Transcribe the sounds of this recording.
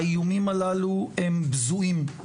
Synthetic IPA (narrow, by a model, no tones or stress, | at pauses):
ijumimalaluembzuʔim